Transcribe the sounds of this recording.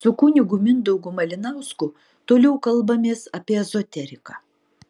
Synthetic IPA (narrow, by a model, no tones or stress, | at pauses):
sʊkʊnʲɪɡʊmʲɪnd̪ɐʊɡʊmɐlʲɪnɑˑʊskʊ | t̪oːlʲɛʊkɐlˠbɐmʲeːsɐpʲiɛzɔt̪ʲɛɾʲɪkɑ